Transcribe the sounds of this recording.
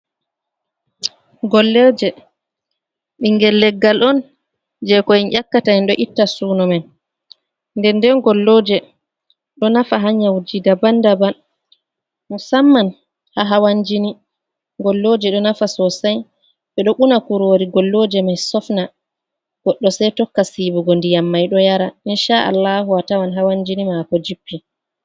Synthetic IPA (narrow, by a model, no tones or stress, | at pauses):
ɡɔlːɛɾd͡ʒɛ | ɓiŋɡɛlːɛɡːalʔɔn | d͡ʒɛkɔinʔakːatanɗɔʔitːasuːnɔmɛn | ndɛndɛnɡɔlːoːd͡ʒɛ | ɗɔnafaɦaɲawd͡ʒidabandaban | musamːan | haɦawaɲd͡ʒini | ŋɡɔlːoːd͡ʒɛɗɔnafasɔsaj | ɓɛɗɔɓunakuɾoːɾiɡɔlːoːd͡ʒɛmajsɔfna | ɡ̥ɔɗːɔsajtɔkːasibuɡɔndijamːajɗɔjaɾaʔinʃaʔa̰lːaɦuwatawanɦawaɲd͡ʒinimakɔd͡ʒipːi